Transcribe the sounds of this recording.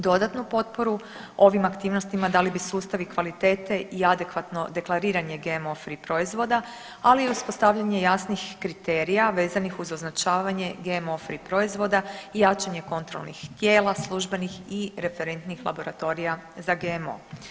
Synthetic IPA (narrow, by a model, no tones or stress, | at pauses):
d̪o̞d̪at̪nupo̞t̪̚po̞ɾu | o̞ʋimakt̪iːʋnost̪imad̪alibisuːst̪aʋikʋalit̪e̞ːt̪e̞ʔiad̪e̞kʋat̪no̞d̪e̞klˠaɾiːɾaɲe̞ɡeemo̞fɾipɾo̞izʋo̞d̪a | aliːuspo̞st̪aʋʎaɲe̞jasnixkɾit̪e̞ɾijaʋe̞ːzanixuzo̞znat͡ʃaːʋaɲe̞ɡeemo̞fɾipɾo̞izʋo̞d̪aijat͡ʃaɲe̞ko̞nt̪ɾolnixt̪je̞ːlˠaslˠuʒbe̞nixiɾe̞fe̞ɾe̞nt̪nixla̰bo̞ɾat̪o̞ɾija | zaɡemo̰